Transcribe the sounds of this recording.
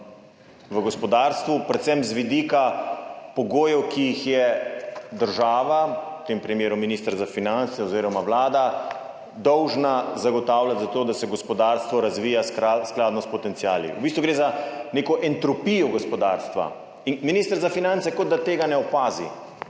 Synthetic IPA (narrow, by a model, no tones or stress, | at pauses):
ʋəɡɔspɔd̪aːɾst̪ʋupɾɛt̪sɛmzʋid̪iːkapɔɡoːjɛwkijixjɛ | d̪əɾʒaːʋaut̪empɾimjeːɾuminist̪əɾzafinant̪sɛɔziːɾɔmaʋlaːd̪a | d̪ɔwʒnazaɡɔt̪aːwlat̪zat̪oːd̪asɛɡɔspɔd̪aɾst̪ʋɔɾazʋiːjasklaːd̪nɔspɔt̪ɛnt̪siaːlḭwbist̪ʋuɡɾeːzaneːkɔʔɛnt̪ɾɔpijɔɡɔspɔd̪a̰ːɾst̪ʋa̰ | inminiːst̪əɾzafinant̪sɛkɔd̪̚d̪at̪eːɡanɛɔpaːzḭ